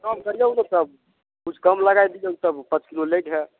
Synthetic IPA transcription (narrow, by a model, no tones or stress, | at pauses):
kamkəɾijəunot̪əb̚ | ud͡ʒʰkəmləɡajd̪ijəut̪əbpə̃t͡ʃkilolekɦɛ